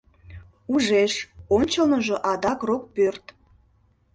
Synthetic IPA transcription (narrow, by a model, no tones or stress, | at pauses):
uʒeʃonʲt͡ɕəlnəʒo̽ʔɑd̪ɑkrok̚pørt̪